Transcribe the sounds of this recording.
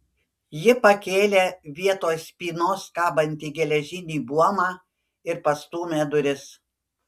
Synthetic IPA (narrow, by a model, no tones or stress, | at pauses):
jɪpɐkʲeːlʲeʋʲiɛt̪oːspʲiːnoːskɑːbɐnʲt̪ʲiːɡʲɛlʲɛʒʲɪnʲiːbuɔmɑː | ɪɾpɐst̪uːmʲɛd̪ʊɾʲɪs